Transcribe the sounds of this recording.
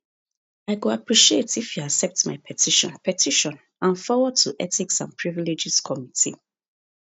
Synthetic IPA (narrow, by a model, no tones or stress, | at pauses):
aɪɡoapɹiʃietifjuaksɛp̚tmaɪpʰɛtʰiʃɔ̰̃npʰɛtʰiʃɔ̃n | ãnfɔwɔd̚tʰuʔɛtiksã̰npʰɹiviled͡ʒiskʰɔmitʰḭ